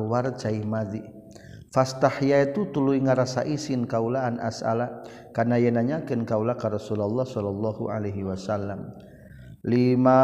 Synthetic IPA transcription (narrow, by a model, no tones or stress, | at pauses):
wart͡ʃaimad̪i | fast̪ahjait̪ut̪uluiŋaɾasaʔisɪnkaulaːnʔa̰sa̰la | karnajanaɲakɪnkaulakanrɔsulalːɔhsɔlɔlːɔhṵalaɦiwasalːam | lima